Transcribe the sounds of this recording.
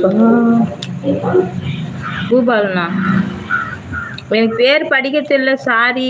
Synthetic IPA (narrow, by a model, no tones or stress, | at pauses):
kuːbaːlnaː | ɛnɐkpeːɾpɐɽɪkːɐt̪ːɪlːɐsaːɾi